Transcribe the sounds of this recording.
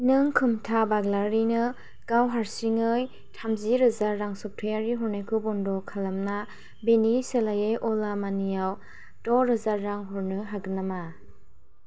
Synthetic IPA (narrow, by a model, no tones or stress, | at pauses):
nɯŋkʰɯmtʰabaɡlaɾinɯ | ɡ̥awɦaɾsiŋɯj | tʰamziɾɯzaɾːaŋsɔp̚tʰɯjaɾiɦɔɾnajkʰubɔndɔkʰalamna | beniselajeʔɔlamanijaw | dɔɾɯzaɾːaŋɦɔɾnɯɦaɡɯnama